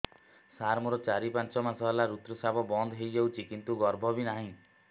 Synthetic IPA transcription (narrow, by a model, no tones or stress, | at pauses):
saɾmuɾɔt͡ʃaɾipant͡ʃɔmasɔɦlaɾut̪ɾɔsabɔbɔnd̪ʱɦejd͡ʒewt͡ʃʰikint̪uɡɔɾbʱɔbinaɦĩ